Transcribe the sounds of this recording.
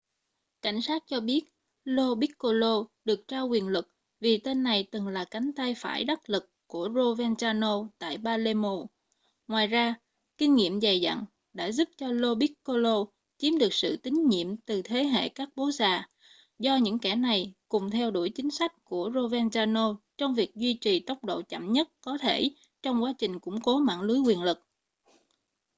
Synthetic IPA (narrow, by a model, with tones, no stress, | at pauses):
ka̰˧˩jŋ̟saː˦˥t̚t͡ɕɔ˧ɓi˦˥ət̚ | lo˧ɓi˦˥kko˧lo˧ɗɨ˨˩ək̚t͡ɕaː˧wkwi˨˩ənlɨ˨˩k̚ | vi˨˩t̪e˧nːa˨˩jt̪ɨ˨˩ŋlaː˨˩ka˨˦jŋ̟t̪a˧jfa̰ː˧˩jɗə˦˥t̚lɨ˨˩kːu˧˩əzo˧vɛ˧nt͡ɕaː˧no˧t̪a̰ː˧˨jɓaː˧le˧mo˧˩ | ŋwaː˨˩jzaː˧ | kï˧ŋ̟ŋḭ˧˨əmza˨˩jza̰˧˨ŋ | ɗa̰ː˧˥zu˦˥p̚t͡ɕɔ˧lo˧ɓi˦˥kkːo˧lo˧ | t͡ɕi˨˦əmɗɨ˨˩ək̚sɨ̰˧˨t̪ï˨˦ŋ̟ɲḭ˧˨əmt̪ɨ˨˩t̪ʰe˨˦ɦḛ˧˨kaː˦˥k̚ɓo˨˦zaː˨˩ | zɔ˧ɲɨ̰˧˥ŋkɛ˧˩na˨˩jkʊ˨˩ŋ͡mt̪ʰɛ˧wɗu˧˩jt͡ɕï˨˦ŋ̟sa˦˥jk̟̚ku˧˩əzo˧vɛ˧nzaː˧no˧t͡ɕɔ˧wŋ͡mvi˨˩ək̚zwi˧t͡ɕi˨˩t̪ə˦˥wk͡p̚ɗo̰˧˨t͡ɕa̰˧˨mɲə˦˥t̚kɔ˨˦t̪ʰe˧˩ | t͡ɕɔ˧wŋ͡mkwaː˨˦t͡ɕï˨˩ŋ̟kʊ̰˧˥ŋ͡mko˨˦ma̰ː˧˨nlu˨˦jŋwi˨˩ənlɨ˨˩k̚